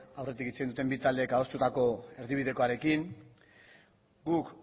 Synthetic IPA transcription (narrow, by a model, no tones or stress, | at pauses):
awre̞t̪̬ikit͡seind̪ut̪embit̪ald̪e̞ːkao̞st̪ut̪ako̞e̞ɾðiβ̞iðe̞ko̞aɾe̞kiŋ | ɡuk